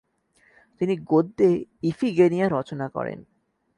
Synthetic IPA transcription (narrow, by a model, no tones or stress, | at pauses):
t̪iniɡod̪ːeifʰiɡenijaɾːɔt͡ɕonakɔ̰ɾḛn